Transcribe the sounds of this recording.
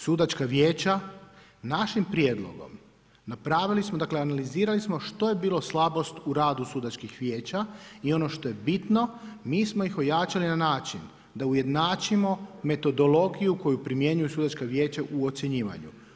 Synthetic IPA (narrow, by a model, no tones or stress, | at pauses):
sud̪at͡ʃkaʋjeːt͡ɕa | naʃimpɾjeːd̪lˠo̰ɡo̞̰m | napɾaːʋilismod̪akleanaliziːɾalismo̞ʃt̪o̞je̞biːlˠo̞slˠabo̞st̪uɾaːd̪usuːd̪at͡ʃkixʋjeːt͡ɕaio̞no̞ʃt̪o̞je̞bit̪no̞miːsmoixo̞jaːt͡ʃalinanaːt͡ʃin | d̪auje̞d̪naːt͡ʃimo̞me̞t̪o̞d̪o̞lo̞ɡijuko̞jupɾimje̞ɲujusuːd̪at͡ʃkaʋje̞ːt͡ɕaʔuot̪sjeɲiːʋa̰ɲṵ